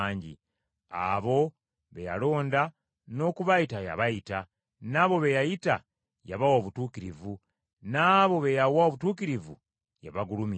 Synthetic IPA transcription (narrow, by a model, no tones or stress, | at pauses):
ɲɟḭ | a̰βo̞ | βeja̰lo̞ːnda | no̞ːkuβaitaja̰βajita | naβo̞βejajita | jaβawoːβutuːkiɾivu | naːβo̞βejawaoβutuːkiɾivṵ | ja̰βaɡulumi